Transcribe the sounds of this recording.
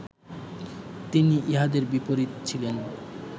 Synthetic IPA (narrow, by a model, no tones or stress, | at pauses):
t̪iniʔiɦad̪eɾbipoɾit̪t͡ɕʰilen